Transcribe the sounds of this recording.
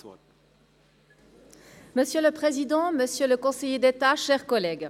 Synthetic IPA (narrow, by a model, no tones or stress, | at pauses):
məsjøləpχezid̪ɑ̃məsjøləkɔ̃sejed̪et̪aʃɛʁkɔlɛːɡ